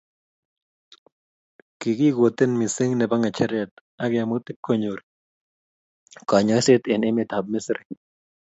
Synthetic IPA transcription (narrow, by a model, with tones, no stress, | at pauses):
kɪ˨ɡɪ˦ɡo˨t̪ɪ˦nmi˨sɪ˦ŋnɛ˨ba˦ŋa˨t͡ʃɛ˦ɾjɛ˨t̪ | a˦ɡɪ˨a˨mo˦t̪ɪ˦p̚ko˦ɲo˨ɾ | kɔ˨ɲɔ˨ɪ˦sɪ˦t̪ɪ˨nɪ˦mɪ˨t̪a˨b̚mɪ˦sɾɪ˨